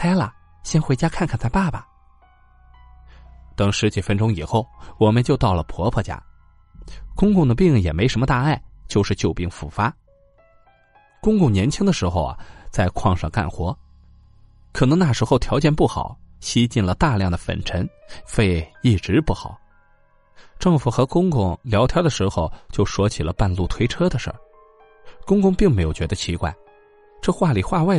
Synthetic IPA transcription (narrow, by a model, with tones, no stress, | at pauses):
kʰa˥ɪlə̰˨˩ | ɕjɛ˥nxwe˧˥ɪt͡ɕja˥kʰa˥˧nkʰnt͡sa˥˧ɪpa˥˩bɐ˩ | t̪ɤ˧˥˩ŋʂɻ̩˧˥t͡ɕi˨˩fə˥nʈ͡ʂʊ˥ŋi˨˩xo˥˩ʊwɔ˨˩mə˧nt͡ɕjo˥˧ʊt̪ɑ˥˩ʊlə˩pʰwɔ˧˥pʰɤ˥˩t͡ɕja̰˥ | kʊ˥ŋkʊ˥˩ŋd̪ə˩p̬i˥˧ŋjɛ˨˩me˧˥ɪʂə˧˥nmə˧t̪a˥˧a˥˩ɪt͡ɕjo˥˧ʊʂɻ̩˥˧t͡ɕjo˥˧ʊpi˥˩ŋfu˥˩fa˥ | kʊ˥ŋkʊ˥˩ŋnjɛ˧˥nt͡ɕʰi˥ŋd̪ə˨ʂɻ̩˧˥xo˧ʊa̰˩t͡sa˥˧ɪkʰwɑ˥˧ŋʂɑ̰˥˧ŋka̰˥˩nxwɔ˧˥ | kʰɤ˨˩nɤ˧˥ŋna˥˩ʂɻ̩˧˥xo˧ʊt̪ʰjɑ˧˥ʊt͡ɕjɛ˥˧npu˥˩xɑ̰˨˩˦ʊɕi˥t͡ɕi˥˩nlə˩t̪a˥˧ljɑ˥˩ŋd̪ə˩fə̰˨˩nʈ͡ʂʰə˧˥nfe˥˧ɪi˥˩ʈ͡ʂɻ̩˧˥pu˥˩xɑ̰˨˩˦ʊ | ʈ͡ʂɤ˥˩ŋfu˨˩xɤ˧˥kʊ˥ŋkʊ˥˩ŋljɑ˧˥ʊt̪ʰjɑ˥d̪ə˧ʂɻ̩˧˥xo˧ʊt͡ɕjo˥˩ʊʂwɔ˥t͡ɕʰi˨˩lə˦pa˥˧nlu˥˩t̪ʰwe˥ɪʈ͡ʂʰɤ˥d̪ə˨ʂə̰˞˥˩ | kʊ˥ŋkʊ˥ŋpi˥˩ŋme˧˥ɪjʊt͡ɕɥɛ˧˥d̪ə˧t͡ɕʰi˧˥kwa̰˥˩ɪ | ʈ͡ʂɤ˥˧xwa˥˩li˨˩xwa˥˧wa˥˩ɪ